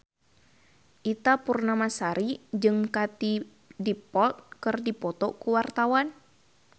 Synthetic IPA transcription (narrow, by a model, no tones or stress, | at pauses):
ʔit̪apurnamasaɾid͡ʒɨŋkat̪i | dipɔlt̪̚kɨrdipɔt̪ɔkuwart̪awan